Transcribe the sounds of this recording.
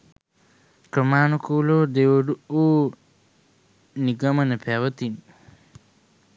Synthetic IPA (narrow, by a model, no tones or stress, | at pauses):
kɾɐmaːnukuːloːd̪ewɐɖuoː | niɡɐmɐnɐpʰaʋɐt̪in